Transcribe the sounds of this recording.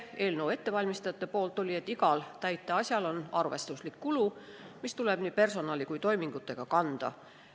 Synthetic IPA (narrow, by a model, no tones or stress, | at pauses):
e̞ːlnowe̞t̪ːe̞vɑlʲmist̪ɑjɑt̪ːˑepo̞ːlt̪ːˑo̞lʲie̞t̪ːiɡɑlt̪æjt̪ːˑeɑsʲjɑlo̞nɑrve̞st̪uslikːulu | mist̪ulɛb̥niːpe̞rso̞nɑːlʲikujt̪o̞jmiŋɡ̥ut̪ːˑe̞ɡ̥ɑkɑnd̪̥ɑ̰